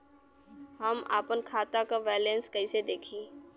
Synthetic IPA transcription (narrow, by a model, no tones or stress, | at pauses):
ɦəma̰ːpənkʰaːt̪akaʋɛːlẽnskəɪsed̪eːkʰiː